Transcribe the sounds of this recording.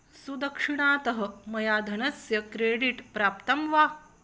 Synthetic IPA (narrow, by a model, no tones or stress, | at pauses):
sud̪ɐkʂiɳaːt̪ɐɦɐ̆mɐjaːd̪ʱɐnɐsjɐkɾeːɖiʈpɾaːpt̪ɐmʋaː